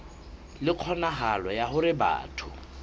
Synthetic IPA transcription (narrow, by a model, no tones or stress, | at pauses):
lɪq͡χʰɔnaɦalɔjahʊɾɪba̰ːtʰʊ